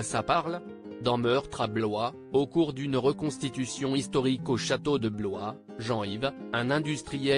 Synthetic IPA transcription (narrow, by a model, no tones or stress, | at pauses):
sapaʁl | d̪ɑ̃mœʁt̪χablwa | okuʁd̪ynʁəkɔ̃st̪it̪ysjɔ̃ist̪ɔʁikoʃat̪od̪əblwa | ʒɑ̃ivɛ̃nɛ̃d̪yst̪χijɛ